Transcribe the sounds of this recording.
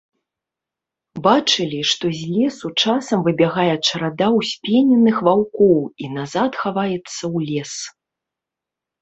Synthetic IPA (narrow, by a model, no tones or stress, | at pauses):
bat͡ʂɨlʲiʂt̪ɔzʲlʲɛsut͡ʂasɐmvɨbʲaɣajɛt͡ʂɐɾad̪awsʲpʲɛnʲɛnɨxvawkɔwinazat̪xavajɛt̪sːɐwlʲɛs